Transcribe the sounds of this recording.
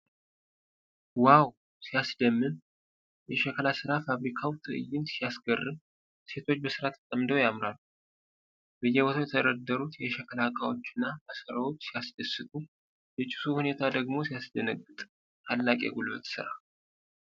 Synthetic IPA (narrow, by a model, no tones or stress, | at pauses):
waw | sijasd̪əmːɨn | jɛʃɛkʰəlasɨɾafaβɾikʰawt̪ʰɨɨ̰jːɪnsijasɡərːɨm | se̞t̪ʰo̞t͡ʃːbəsɨɾat̪ʰə̥t̪ʼəmd̪əwjamɾalu | bəjːɛwɔt̪ʰawjɛt̪ʰəɾəd̪ːəɾut̪jɛʃɛkʰəlakʼawo̞t͡ʃːɨnːaʔasəɾawot͡ʃːsijasd̪əsːɨt̪ʼu | bət͡ʃʼɪ̥suhune̞t̪ʰad̪əɡmo̞sijasd̪ənəɡːɨt̪ʼ | t̪ʰalːakʼjɛ̰ɡulbə̰t̪ʼsɨ̰ɾa̰